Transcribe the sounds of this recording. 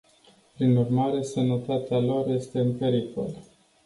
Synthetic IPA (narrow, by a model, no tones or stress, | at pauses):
pɾinurmaɾe̞sənət̪at̪ealo̞ɾje̞st̪e̞ɨnpe̞ɾiko̞̰l